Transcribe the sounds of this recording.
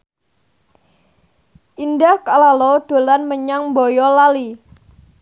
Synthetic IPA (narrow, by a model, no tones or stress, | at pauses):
ʔindahkalalɔɖ̥o̤lanməɲaŋbɔjɔlali